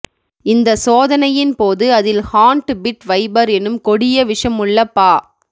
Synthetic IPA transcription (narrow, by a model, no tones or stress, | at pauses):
ɪnd̪ɐsoːðɐnɐjɪnpoːðɯɐðɪlhaːɳʈbɪʈʋɐɪbɐɾɛnːɯmkɔɽɪjɐʋɪʂɐmɯɭːɐpːaː